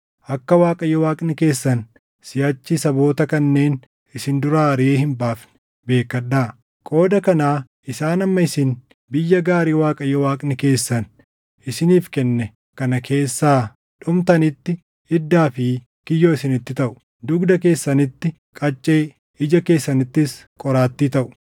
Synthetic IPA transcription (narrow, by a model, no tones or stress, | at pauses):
ʔɐkːɐwaːkʼɐjɔwaːkʼnɪke̞ːsːɐn | sɪjaːt͡ʃːisɐbo̞ːt̪ɐkɐnːe̞ːn | ɪsɪnd̪ʊɾaːɾɪeːhɪmbaːfnɪ̥ | be̞ːkːɐᶑːaː | kʼo̞ːd̪ɐkɐnaː | ɪsaːnɐmːɐɪsɪn | bɪjːɐɡaːɾiːwaːkʼɐjɔwaːkʼnɪke̞ːsːɐn | ʔɪsɪniːfkɛnːɛ | kɐnɐkʰe̞ːsːaː | ᶑʊmt̪ɐnɪt̪ːɪ | ɪd̪ːaːfɪ | kɪjːoːɪsɪnɪt̪ːɪt̪ɐʔʊ̥ | d̪ʊɡd̪ɐk̬e̞ːsːɐnɪt̪ːɪ | kʼɐt͡ʃʼːe̞ː | ɪd͡ʒɐke̞ːsːɐnɪt̪ːɪs | kʼɔɾaːt̪ːiːt̪ɐʔʊ̥